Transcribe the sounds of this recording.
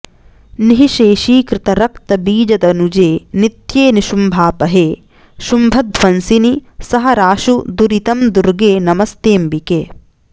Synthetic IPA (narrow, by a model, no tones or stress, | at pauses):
niɦiʃeːʃiːkɾɪt̪ɐɾɐk̚t̪ɐbiːd͡ʒɐd̪ɐnud͡ʒeːnit̪jeːniʃumbʱaːpɐɦeː | ʃumbʱɐd̪̚ʋɐnsinisɐɦɐɾaːʃud̪uɾit̪ɐmd̪uɾɡeːnɐmɐst̪eːmbikeː